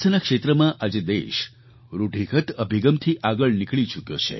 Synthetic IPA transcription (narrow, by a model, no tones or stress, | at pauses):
ənakʃet̪ɾəmãʔad͡ʒed̪eʃ | ɾuɖʱikət̪əbʱiɡəmt̪ʰiʔaɡəɭnikɭit͡ʃukjo̰t͡ʃʰḛ